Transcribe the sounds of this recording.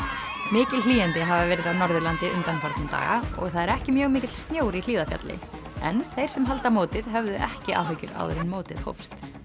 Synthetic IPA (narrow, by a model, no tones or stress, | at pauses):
mɪːcɪlliːɛnt̪ɪɦavavɛːɾɪðawnɔɾðʏlant̪ɪʔʏnt̪anfaɾt̪nɪmt̪a̰ːɣa̰ɔ̰ɣθaðɛɾɛhcɪmjœːɣmɪːcɪt̪l̥st̪njoːwɾil̥iːðafja̰t̪lɪ̰ɛ̰nθejɾ̥sɛmɦal̪t̪amoːwt̪ɪðɦœvðʏʔɛhcɪʔa̰lɦejcʏɾa̰wðʏ̰ɾɪnmoːwt̪ɪðho̰wfst̪